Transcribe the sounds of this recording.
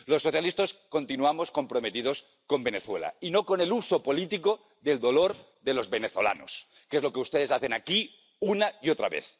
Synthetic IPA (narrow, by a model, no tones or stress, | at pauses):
losːoθjalist̪oskont̪inuamo̞sko̞mpɾo̞met̪ið̞os | ko̞mbe̞neθwe̞̰la̰ino̞ko̞ne̞luso̞polit̪iko | ðe̞ld̪o̞lo̞ɾ | ðelo̞zβe̞neθo̞la̰no̰s | kezlokeust̪e̞ð̞e̞saθenaki | unaiot̪ɾa̰βe̞̰θ